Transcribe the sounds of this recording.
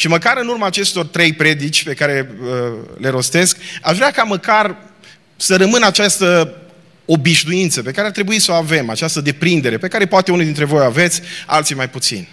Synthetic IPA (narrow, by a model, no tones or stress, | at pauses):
ʃiməkaɾɨnurmaːt͡ʃe̞st̪o̞rt̪ɾe̞jpɾe̞d̪it͡ʃʲpe̞kaɾe̞əle̞ɾo̞st̪e̞skaʃvɾeakaməkar | səɾəmɨnat͡ʃast̪ə | o̞biʃd̪ujint̪səpe̞kaɾeart̪ɾe̞buisoave̞mat͡ʃast̪əd̪e̞pɾind̪e̞ɾe̞pe̞kaɾe̞poat̪e̞unid̪int̪ɾe̞vo̞jave̞t̪sʲa̰lt̪simajput̪sḭnʲ